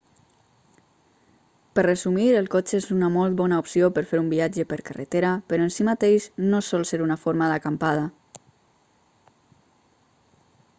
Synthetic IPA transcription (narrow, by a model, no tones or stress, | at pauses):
pərrəzumiɾəlˠkot͡ʃezunəmolˠt̪̚bɔnaupsiopəɾfeɾumbiad͡ʒəpəɾkarə̰t̪eɾapəɾɔənsimat̪eʃnosɔlˠseɾunafoɾmaðakampað̞a